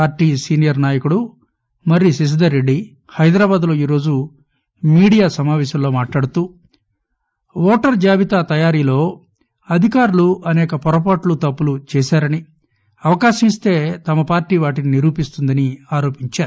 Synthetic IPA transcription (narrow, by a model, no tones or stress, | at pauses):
aːɾʈːiːsiːnijɐɾnaːjɐkuɽu | mɐɾisis̬id̪ɐɾeɖːi | hɐjd̪ɾaːbaːd̪lo̞ːiːɾo̞ːd͡ʒu | miːɽijaːsɐmaːʋɛːʃɐmlo̞ːmaːʈlaːɽut̪uː | ʋoːʈɐɾd͡ʒaːʋit̪aːt̪ɐjaːɾiːlo̞ː | ɐd̪ʱikaːɾuluʔɐnɛːkɐpɔɾɐp̬aːʈlut̪ɐpːulut͡ʃɛːsaːɾɐni | ɐʋɐkaːʃɐmist̪e̞ːt̪ɐmɐpaːɾʈiːʋaːʈininiɾuːpist̪und̪ɐniaːɾo̞ːpiɲt͡ʃaːɾu